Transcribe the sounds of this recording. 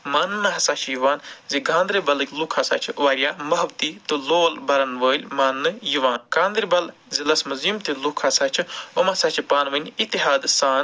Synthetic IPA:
maːnːɨɦɐsat͡ʃʰjuʋaːnziɡãːnd̪ɾibɐlɨkʲlukʰasa̰ːt͡ʃʰʋaːɾʲjaːmɐɦbt̪iːt̪ɨloːlbɐɾɐnʋəːlʲmanːɨjuʋaːnkãːnd̪ɾibɐl | zilɐsmɐzimt̪ilukʰaːsaːt͡ʃʰiɐmasat͡ʃʰipaːnʋɐnʲit̪ːiɦaːd̪saːn

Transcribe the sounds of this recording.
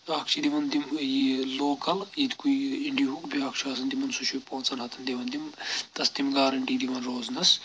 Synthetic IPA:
aːkʰt͡ʃʰid̪iʋɐnd̪imjiloːkɐljid̪kujiɳɖiɦukbiaːkʰt͡ʃʰuaɐs̬ɐnd̪imɐnsuʃupõːt͡sɐnɦɐt̪ʰɐnd̪iʋɐnd̪imt̪ɐst̪imɡaːɾɐɳʈiːd̪iʋɐnroːznɐs

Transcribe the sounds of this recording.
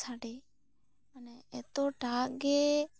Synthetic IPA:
sʰaːɽeː | əneeːt̪oːɖʱaːɡeː

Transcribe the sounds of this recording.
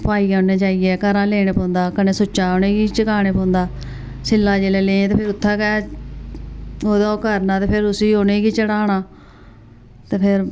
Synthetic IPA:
paːiːãːnẽːd͡ʒaːiːɛːkəɾãːleːɽ̃eːpõːnd̪aːkənẽːsʊt͡ʃːaːoːnẽːɡiːt͡ʃəkaːɽ̃eːpõːnd̪aː | sɪlːaːd͡ʒeːlɛːleːẽːt̪eːpʰɪɾʊt̪ʰːaːkɛː | oːd̪ãkəɾnãːt̪eːpʰɪɾʊsiːoːnẽːɡiːt͡ʃəɽaːɽaː | t̪eːpʰɪɾ

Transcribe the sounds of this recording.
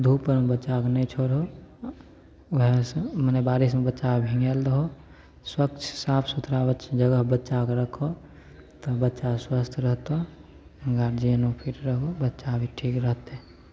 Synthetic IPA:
d̪ʱupəɾbətːt͡ʃaknəĩt͡ʃʰoɾɦo | ɦesmənebaːɾismebətːʃabʱĩŋɡeld̪ɦo | swək̚t͡ʃʰsaːpʰsut̪ɾabət͡ʃd͡ʒəɡəɦbətːt͡ʃakɾəkʰo | t̪əbətːʃaswəst̪ʰɾəɦt̪o | ɡaːɾd͡ʒiənopʰiʈɾəɦobətːʃabʱiʈʰiːkɾəɦt̪e

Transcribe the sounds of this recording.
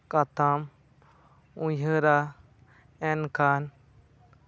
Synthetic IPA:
kat̪am | ũjəɾa | enkʰaːn

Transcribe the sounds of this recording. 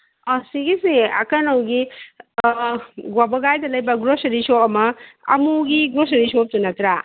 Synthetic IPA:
asiɡisia̰kanawɡi | ɡwabɔɡajdalɐjbaɡɾosɐɾisomɐa̰muɡiɡɾosɐɾisop̚tunat̪ɾa

